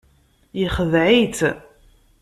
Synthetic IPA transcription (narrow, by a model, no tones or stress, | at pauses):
jiχəðʕit̪